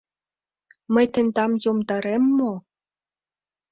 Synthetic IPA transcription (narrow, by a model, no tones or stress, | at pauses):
mə̆jt̪ĕnd̪ɑmjomd̪ɑɾemːo